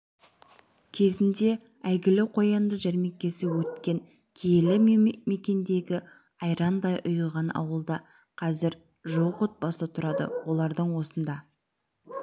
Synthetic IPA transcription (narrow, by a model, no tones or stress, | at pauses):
kʲʰe̞zɪnd̪e̞ | æjɡʲɪlɪqʰo̞jɑnd̪əʒæɾme̞k̚ʲːe̞sɪwɵt̪̚kʲe̞ŋ | kʲʰejelɪme̞kʲe̞nd̪e̞ɡʲɪ | ɑjɾɑnd̪ɑjʔʊjəʁɑnɑ̰wəlˠd̪ɑ | qʰɑzɪɾ | ʒoqot̪̚bɑsət̪ʰʊɾɑd̪ə̰wo̞lˠɑɾd̪əɴwo̞sənd̪ɑ